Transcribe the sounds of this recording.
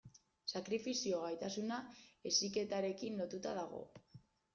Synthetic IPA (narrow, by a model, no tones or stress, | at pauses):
sakɾifisio̞ɣajt̪asunae̞sike̞t̪aɾe̞kinlo̞t̪ut̪að̞aɣ̞o̞̰